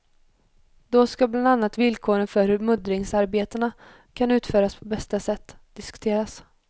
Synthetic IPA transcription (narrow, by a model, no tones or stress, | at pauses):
d̪̥ɔskabland̪anːat̪vɪlkʰoːɾənfœɾhɵɾmɵd̪ɾɪŋsaɾbeːt̪əɳa | kʰanʉ̟ːt̪fœːɾaspʰɔbɛst̪asɛt̪ːd̪̥ɪskɵ̥t̪ʰeːɾas